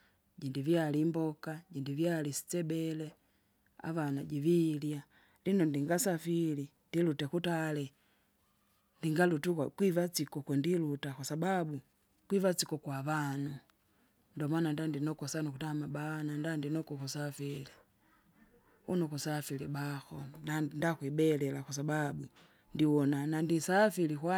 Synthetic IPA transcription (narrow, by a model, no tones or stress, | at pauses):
ɟindivjalimbɔkaɟindivjalisi̥t͡sɛbɛlɛ | a̰vanaɟivilja | linɔndiŋɡasafilindilutɛkutalɛ | ndiŋɡalutukakwivat͡sikɔkwɛndilutakwasababu | kwivat͡sikɔkwaβanu | ndɔmanandandinɔkɔsanukutamabanandandinɔkɔkusafili | unɔkusafilibaxɔnandakwibɛlɛlakwas̬ababu | ndiwɔnanandisafilikwa